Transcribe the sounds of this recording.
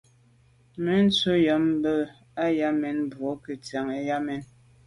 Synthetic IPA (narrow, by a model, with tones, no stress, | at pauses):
me˨˦n̩˦t͡so˦ja˨˦m˦bə˦ | a˦ja˦mɛ˨˦nbwo˨˦kə˨t͡sa˨ŋe˦ja˦mɛ˦n